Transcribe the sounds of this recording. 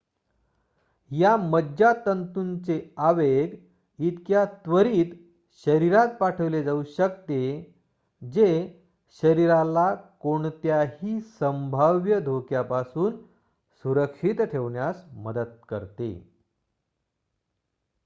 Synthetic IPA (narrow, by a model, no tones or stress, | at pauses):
jaməd͡ʑat̪ənt̪unt͡seaʋeɡ | it̪kjat̪ʋəɾiːt̪ | ɕəɾiɾat̪̚paʈʰəʋled͡zauɕək̚t̪e | d͡ze | ɕəɾiɾalakoɳt̪jahiːsəmbʱaʋjəd̪ʱokjapasuːn | suɾəkɕit̪ʈʰeʋɳjasməd̪ət̪̚kə̰ɾt̪ḛ